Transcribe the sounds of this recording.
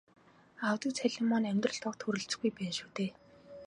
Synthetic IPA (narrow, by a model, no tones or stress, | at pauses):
awt̪ĭːt͡sʰæɮʲemɔnæmʲt̪rə̆ɬt̪ʰɔk̚t̪ʰɵɾɵ̆ɬt͡s̆ɡujpæːnʃu̥ːt̪eː